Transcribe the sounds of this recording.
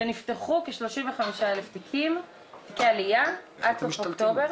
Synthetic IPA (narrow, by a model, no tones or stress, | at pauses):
enift̪eχukeʃlo̞ʃimveχamiʃaeleft̪ikʰim | t̪ikealija | ʔadsookt̪o̞beʁ